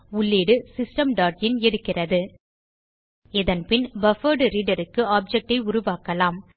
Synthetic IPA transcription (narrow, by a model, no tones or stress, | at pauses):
ʊɭːeːɽɯsɪsʈɐmɖaːɾ̚d͡ʒɪnɛɽɯkːɪrɐðɯ | ɪðɐnpɪnbɐfɐːɖɾiːɖɐɾɯkːɯaːb̚d͡ʒɛk̚ʈɐɪʊɾʊʋaːkɐlaːm